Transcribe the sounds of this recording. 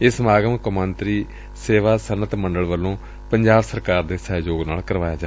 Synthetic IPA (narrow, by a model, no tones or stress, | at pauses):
ɪsmaːɡəmkʊmə̃nt̪ɾiː | seːʋaːsənət̪məɳɖəɭʋəlːõː | pəɲd͡ʒaːbsəɾkaːɾd̪eːsɛːjoːɡnaːlkəɾʋaːjaːd͡ʒaː